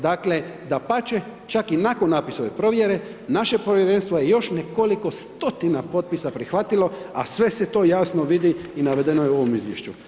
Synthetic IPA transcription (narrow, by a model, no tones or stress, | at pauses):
d̪akle̞ | d̪apat͡ʃe̞ | t͡ʃakinakonːaːpiso̞ʋe̞pɾo̞ʋje̞ɾe̞ | naʃe̞poʋjeɾe̞nst̪ʋoje̞jo̞ʃneko̞liko̞st̪o̞t̪inapo̞t̪̚pisapɾixʋat̪ilo̞a̰sʋe̞se̞t̪o̞ːjasnoʋid̪iinaʋe̞d̪e̞nojeo̞ʋo̞mizʋjeʃt͡ɕu